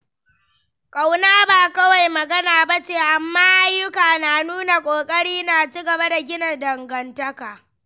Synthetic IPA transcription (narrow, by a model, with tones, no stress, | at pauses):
kʼa˨wnaː˦baː˨kɐ˦wa˨jmɐ˨ɡɐ˦naː˨ba˦t͡ʃeː˨ʔa˨mːaː˦ʔa˦jːʊ˦kaː˨naː˨nuː˦na˨kʷʼoː˨kʼɐ˦ɽiː˦naː˨t͡ʃiː˦ɡɐ˨ba˦da˨ɡʲɪ˦nɐ˨dɐ˨ŋɡɐ˨ntɐ˦kaː˨